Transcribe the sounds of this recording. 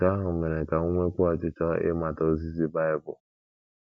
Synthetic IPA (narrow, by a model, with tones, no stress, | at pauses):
ka˦ɦʊ˨me˨ɾe˨ka˨ŋʷo˦ŋʷe˦kʷu˦ɔ˨t͡ʃɪ˦t͡ʃɔ˦ɪ̰˦ma˨to˦o˦zi˦zi˦ba˦ɪ˦bʊ˨